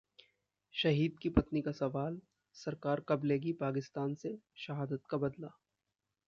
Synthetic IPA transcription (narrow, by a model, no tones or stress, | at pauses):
ʃɐɦiːd̪kipɐt̪nikasɐʋaːl | sɐɾkaːɾkɐbleːɡipaːkɪst̪aːnseʃɐɦaːd̪ət̪̚kabɐd̪laː